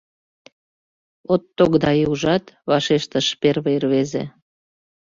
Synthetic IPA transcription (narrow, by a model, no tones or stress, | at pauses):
ot̪ːokd̪ɑiuʒɑt̪βɑʃeʃt̪ə̆ʃperβəərβezḛ